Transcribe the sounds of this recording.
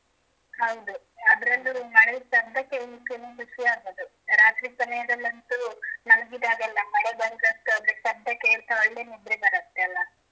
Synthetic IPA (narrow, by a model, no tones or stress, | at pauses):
hɐwd̪u | ɐd̪ɐɾɐld̪ɾumɐɽesɐd̪ʱɐkejlikːɐnukuʃijaːɾɐd̪u | ɾaːt̪ɾipɐnɐjɐd̪ɐlːɐnt̪unɐlɡid̪aːɡɐlːɐmɐɽebɐɾɡ̪ɾɐst̪uɐd̪ɾesɐɾd̪ʱɐkeɭt̪ɐɔɭːenib̪ɾebɐɾɐst̪ːeɐlːɐ